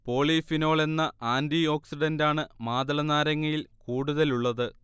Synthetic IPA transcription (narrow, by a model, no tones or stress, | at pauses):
po̞ːɭiːfino̞ːɭe̞nːɐʔaːndio̞ːksiɖɐndaːɳɨmaːd̪ɐlɐnaːɾɐŋːɐjilkuːɽuðɐluɭːɐðɨ